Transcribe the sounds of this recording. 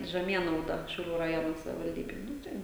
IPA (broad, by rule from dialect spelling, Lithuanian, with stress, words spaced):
ʒʲɛˈmʲiɛnɐʊdɐ ʃʲɛʊˈlʲuː rɐˈjoːnoː sɐʋʲɪʋɐlʲˈdʲiːbʲeːj ˈnʊ tɐɪ